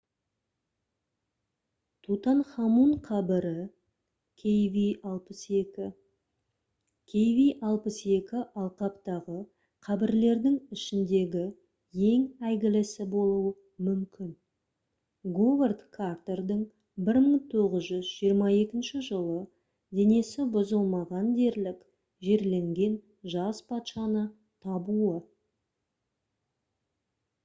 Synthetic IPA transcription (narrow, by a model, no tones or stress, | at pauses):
t̪ʰut̪ɑnχɑmuɴqʰɑbɪɾɪ | kʲʰejviɑlˠpəse̞kʲɪ | kʲʰejvijʔɑlˠpəse̞kʲɪʔɑlˠqɑpt̪ɑʁə | qʰɑbɪɾle̞ɾd̪ɪŋɪʃɪnd̪e̞ɡʲɪ | je̞ŋæjɡʲɪlɪsɪbo̞lˠuə | mʏmkʲɪn | ɡoverd̪kʰart̪e̞rd̪əɴ | bɪɾməɴt̪ʰo̞ʁəzʒʏzʒijəɾmɑe̞kʲɪnʃɪʒəlˠə | d̪e̞ne̞sɪbʊzəlˠmɑʁɑnd̪e̞ɾlɪk | ʒe̞ɾle̞ŋɡʲe̞n | ʒɑzpʰɑt̪ʃɑnə | t̪ʰɑbuə